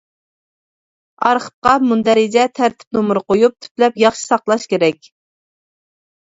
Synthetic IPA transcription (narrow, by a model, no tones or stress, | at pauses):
ɑɾχə̥p̪̚qɑmund̪ɛɾɪd͡ʒɛt̪ʰæɾt̪ʰɪ̥p̚nomʊɾqojup̚t̪ʰy̥plɛpjɑχʃi̥sɑqlˠɑʃkʲeɾɛkʲ